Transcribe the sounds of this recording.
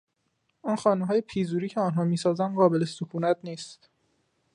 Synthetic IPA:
ɒnxɒːneɦɒːjepʰiːzuːɾiːcʰeɒːnɦɒːmiːsɒːzænɢɒːbe̞lesokʰuːnæt̪ʰniːst̪

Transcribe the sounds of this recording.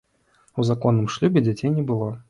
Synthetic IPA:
uzakɔnːɨmʂlʲubʲɛd͡zʲat͡sʲejnʲɛbɨlˠɔ

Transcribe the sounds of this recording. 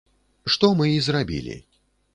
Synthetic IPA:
ʂt̪ɔmɨizrabʲḭlʲḭ

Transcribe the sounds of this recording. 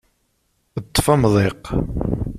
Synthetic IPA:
ət̪ˤːfɑmðˤeq

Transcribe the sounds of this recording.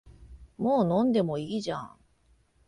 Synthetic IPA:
moːnõ̞nd̪e̞mo̞iːʑã̰ŋ

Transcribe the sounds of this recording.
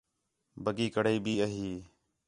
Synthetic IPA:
bəɡiːkəɽəiːbiːəɦiː

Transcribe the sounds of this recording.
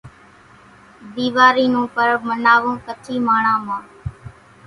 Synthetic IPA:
d̪iːʋaːɾiːnũːpəɾmənaːʋõːkət͡ʃʰiːmaːɳãːmãː

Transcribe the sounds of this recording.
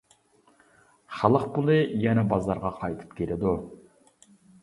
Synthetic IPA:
χɑlˠəqpulˠɨjɛnɛbɑzˠɑɾʁɑqʰɑjt̪ʰɨ̥p̚kʲʰeɾɪd̪u

